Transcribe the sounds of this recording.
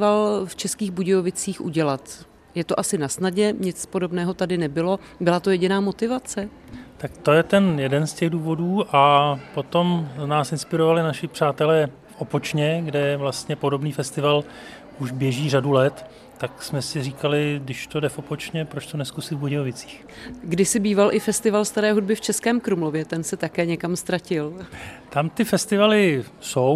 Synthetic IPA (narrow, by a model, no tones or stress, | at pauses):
valft͡ʃɛskiːɣbuɟɛovɪt͡siːxʔṵɟɛlat̪ | jɛt̪oʔasɪnasnaɟɛɲɪt͡spo̞do̞bnɛːɦo̞t̪adɪnɛbɪlo̞ | bɪlat̪o̞jɛɟɪnaːmo̞t̪ɪvat͡sɛ | t̪akt̪o̞jɛt̪ɛnjɛdɛnscɛɣduːvo̞duːʔapo̞t̪o̞mnaːsɪnspɪɾovalɪnaʃɪpr̥aːt̪ɛlɛː | fʔopot͡ʃɲɛɡdɛvlast̪ɲɛpo̞do̞bniːfɛst̪ɪval | ʔuʒbjɛʒiːr̝adulɛt̪ː | aksmɛsɪriːkalɪdɪʃt̪odɛfopot͡ʃɲɛpɾot͡ʃt̪onɛskusɪvboɟɪovɪt͡si̥ːx | ɡdɪsɪbiːvalʔɪfɛst̪ɪvalst̪aɾɛːɦud̚bɪft͡ʃɛskɛːmkɾumlovjɛt̪ɛnsɛt̪akɛːɲɛkamst̪ɾacɪlt̪amt̪ɪfɛst̪ɪvalɪso̞w